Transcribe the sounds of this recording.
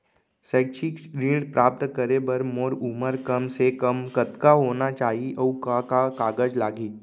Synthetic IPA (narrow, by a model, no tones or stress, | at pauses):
səːkt͡ʃʰɪkɾiːɖpɾʔaːp̚t̪kəɾebɐɾmoːɾuməɾkəmsekɐmkət̪kaɦoːnat͡ʃaːɦiʔɔkakakaːɡəd͡ʒlaːɡiː